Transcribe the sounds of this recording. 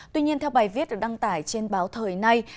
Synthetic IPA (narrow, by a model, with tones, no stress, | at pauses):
t̪wi˧ɲi˧ənt̪ʰɛ˧wɓaː˨˩jvi˦˥t̚ɗɨ˨˩ɗa˧ŋt̪aː˧˩jt͡ɕe˧nɓaː˨˦wt̪ʰəː˨˩jna˧j